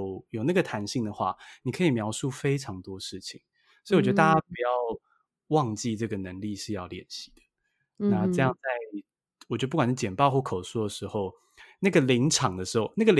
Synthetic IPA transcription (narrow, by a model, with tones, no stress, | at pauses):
ʊjo˨˩ʊna˥˩ɡə˩t̪ʰa˧˥nɕi˥˩ŋd̪ə˩xwa̰˥˩ni˨˩kʰɤ˧˥i˨˩mjɑ˧˥ʊʂu˥˩fe˥ɪʈ͡ʂʰɑ˨˧˥ŋt̪wɔ˥ʂɻ̩˥˩t͡ɕʰi˨˩ŋ | so˧˥i˨ɔ˨˩t͡ɕɛ˧d̪ə˩t̪a˥˩t͡ɕa˥pu˧˩jɑ˥˧ʊ | wɑ˥˧ŋt͡ɕi˥˧ʈ͡ʂɤ˥˩ɡə˩nə˧˦ŋli˥˧ʂɻ̩˥˧jɑ˥˩ʊljɛ˨˩nɕi̥˧˥d̪̥ə̥˨ | na˥˧ʈ͡ʂɤ˥˧jɑ˥˧ŋt͡sa˥˩ɪ | wɔ˨˩t͡ɕɥɛ˧˥˧pu˥˩wa˨nʂ̩˥˩t͡ɕjɛ˨˩npɑ˥˧ʊxwɔ˥˩kʰo˨˩ʊsɔ˥˩d̪ə˩ʂɻ̩˧˥xo˥˧ʊ | na˥˩ɡə˩li˧˥ŋʈ͡ʂʰɑ˨˩ŋd̪ə˦ʂɻ̩˧˥xo˥˧ʊna˥˩ɡə˨l